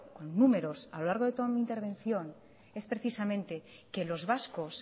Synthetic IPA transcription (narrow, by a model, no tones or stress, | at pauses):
ko̞nːume̞ɾo̞salo̞laɾɣo̞ð̞e̞t̪o̞ðamint̪eβ̞e̞n̟θjo̞n | e̞spɾe̞θisamẽ̞nt̪e̞ke̞lo̞zβasko̞s